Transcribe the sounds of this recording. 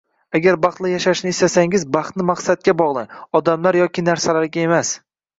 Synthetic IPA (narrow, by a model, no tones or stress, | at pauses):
aɡʲaɾbɑχt̪lˠɪjaʃaʃnɪst̪asaŋɪzbɑχt̪nɪmaqsat̪̚kʲabɒʁlˠɪɒd̪amlaɾjɒkʲɪnaɾsalaɾɡʲae̞mas